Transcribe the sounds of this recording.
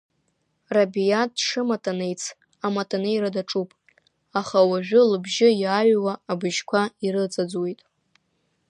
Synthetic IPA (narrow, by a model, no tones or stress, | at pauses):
rabijatːʂɨmatʰʼanejt͡sʰ | amatʰʼanɨjɾadaʈ͡ʂʼupʼ | aχawaʒᶣʊlɨbʒɪjaɥwaːbɨʒkʷʰaiɾɨt͡sʼad͡zwejtʼ